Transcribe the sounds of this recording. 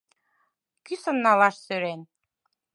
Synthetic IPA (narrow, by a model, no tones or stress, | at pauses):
kysə̆nːɑlɑʃsøɾen